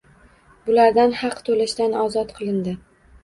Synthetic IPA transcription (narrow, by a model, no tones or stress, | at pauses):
bʊlaɾd̪anhɑqt̪ʰolaʃd̪anɒzɒt̪qʰɨlˠɪnd̪ɪ